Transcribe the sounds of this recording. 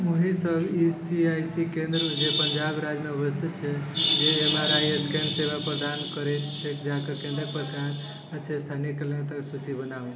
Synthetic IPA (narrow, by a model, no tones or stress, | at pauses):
oɦisəbisiajsikẽnd̪ɾəd͡ʒepəɲd͡ʒabɾad͡ʒmeəbəst̪ʰit̪t͡ʃʰɛd͡ʒeːmaɾajeskensebʱapɾəd̪ankəɾɛt̪t͡ʃʰekd͡ʒãkekẽnd̪ɾəkpəɾkaɾ | ətːt͡ʃʰest̪ʰanijekelẽt̪əksut͡ʃibənaũ